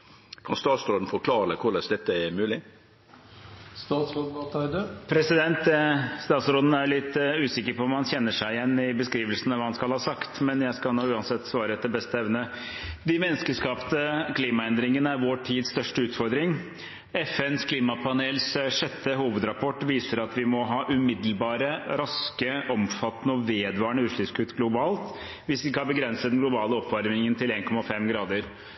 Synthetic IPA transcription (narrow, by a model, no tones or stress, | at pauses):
kʰɑ̰nst̪ɑːt̪sɾoːd̪n̩fɔkʰlɑːɾəkʰʊləsd̪ɛt̪ːəæɾmʉːlɪ | st̪ɑːt̪sɔt̪ɑɪd̪əpʰɾɛsɪd̪ɛnt̪st̪ɑːt̪sɾoːd̪n̩æjɭɪt̪ːʉːsɪkːəɾpʰɔmhɑnçɛnːəʂæɪɪjɛnːɪbəskɾiːʋəlsənəʋɑːhɑnskɑlhɑːsɑkt̪mɛnjæɪskɑlnoːʉːɑnsɛt̪ːsʋɑːɾəɛt̪̚d̪ɛbɛst̪əɛʋnə | d̪ɪmɛnːəskəʂkɑːpt̪əkʰliːmɑɛnd̪ɾɪŋənəæɾʋoːʈʰiːd̪sst̪œʂʈəʉːt̪fɔɾd̪ɾɪŋ | ɛfɛnskʰliːmɑpʰɑneːlsʂɛt̪ʰːəɦuːʋəd̪ɾɑpʰɔʈːʋiːsəɾɑt̪ʋɪmɔɦɑːʔʉmɪd̪l̩bɑːɾəɾɑskəʔɔmfɑt̪ənəɔʋeːd̪ʋɑːɳəʉːʂɭʏpskʉt̪ːɡlʊbɑːlt̪ | ʋɪsɪkːəhɑɾbəɡɾɛnsəd̪ɛnɡlʊbɑːləɔpːʋɑɾmɪŋənt̪ɪleːnkʰɔmɑfɛmɡɾɑːd̪əɾ